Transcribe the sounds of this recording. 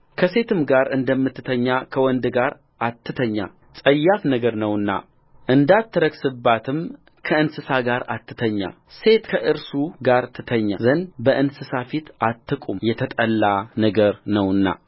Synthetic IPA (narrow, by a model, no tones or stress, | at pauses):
kʰəse̞t̪ʰɨmɡaɾɨnd̪əmːɨt̪ːɨt̪ʰəɲːakʰəwɔnd̪ɡaɾ | ʔat̪ʰːɨt̪ʰəɲːa̰ | t͡sʼəjːafnəɡəɾnəwɨnːa̰ | ʔɨnd̪at̪ːɨɾəɡsɨbːat̪ʰɨm | kʰəɨnsɨsaɡaɾa̰t̪ʰːɨ̥t̪ʰəɲːa̰ | se̞t̪kʰəʔɨɾsuɡaɾt̪ʰɨt̪ʰəɲːa̰zənbəʔɨnsɨsafit̪at̪ʰːɨkʼumjɛt̪ʰət̪ʼəlːanəɡəɾnəwɨnːa̰